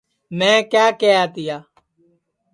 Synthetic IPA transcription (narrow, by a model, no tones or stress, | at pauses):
mɛ̃ːkjaːkeːaːt̪ɪjaː